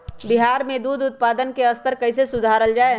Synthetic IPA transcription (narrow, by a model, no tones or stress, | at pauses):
biɦaːɾmẽd̪uːd̪ʊt̪̚pad̪ənkeəst̪əɾkəɪsesʊd̪ʱaɾəld͡ʒaːe